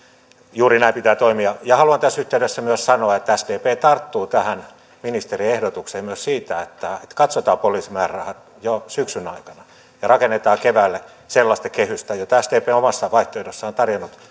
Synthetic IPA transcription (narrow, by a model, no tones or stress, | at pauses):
juːrinæipit̪æːt̪oimiɑjɑhɑluɑnt̪æsːyht̪eydesːæmyøssɑnoɑet̪ːææsd̥eːpeːt̪ɑrt̪ːuːt̪æhæn | minist̪eriehdot̪ukseːmmyøssiːt̪æet̪ːæet̪kɑt̪sot̪ɑːpoliːsimæːrɑhɑt̪ | josyksynɑikɑnɑ | jɑrɑkenːet̪ɑːkeʋæːlːe | selːɑst̪ɑkehyst̪æjot̪æsd̪eːpeːomɑsːɑʋɑiht̪oidosːɑont̪ɑrjonːut̪